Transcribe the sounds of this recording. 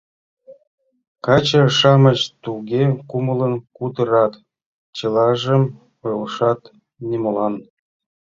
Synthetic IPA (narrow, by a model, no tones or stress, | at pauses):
kɑt͡ɕəʃɑmət͡ɕt̪uɡʲekumələnkud̪əɾɑt̪ | t͡ɕɤ̆lˠɑʒə̆m | ɤlʃɑt̪ | nʲemolˠɑn